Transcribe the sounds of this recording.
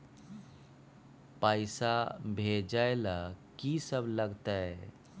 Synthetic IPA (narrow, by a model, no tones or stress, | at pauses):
paːɪsabʱed͡ʒaelakisəbləɡt̪a